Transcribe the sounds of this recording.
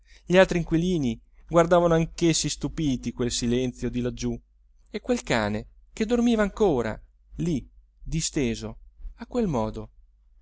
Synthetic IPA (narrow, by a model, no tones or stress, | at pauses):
ʎialt̪ɾiŋkwiliːni | ɡward̪aːvanoaŋkesːist̪upiːt̪ikwelsilɛnt̪sjod̪ilad͡ʒːu | ekːwelka̰ːne | k̟ed̪ːormiːvaːŋkoːɾa̰ | li | d̪ist̪eːzoakːwelmɔːd̪o